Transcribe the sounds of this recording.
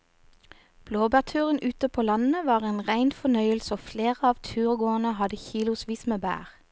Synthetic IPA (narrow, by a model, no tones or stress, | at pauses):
b̥loːbæʁt̪ʰʉːʁənʔʉt̪əpʰoːlɑnn̩əʋɑːʁeːnʁæɪnfɔnœʏəlsoːfleːʁəɑːʋt̪ʰʉːʁɡoːənəhɑd̪əçiːlʊsʋiːsmeːbæ̰ːʁ